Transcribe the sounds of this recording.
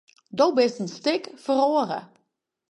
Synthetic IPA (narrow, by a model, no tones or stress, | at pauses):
dowbɪstənstɪkfəroːərə̰